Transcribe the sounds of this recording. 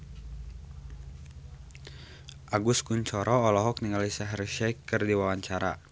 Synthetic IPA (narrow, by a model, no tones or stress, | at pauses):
ʔaɡuskuɲt͡ʃɔɾʔɔːlɔɦɔkniŋalisaɦɛrʃɛkːɨrdiwawaɲt͡ʃaɾa̰